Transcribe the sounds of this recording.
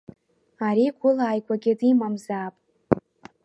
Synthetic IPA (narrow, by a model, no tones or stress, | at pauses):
aɾiɡʷʊlaːjkʷʰaɡʲɪdimamzaːpʼ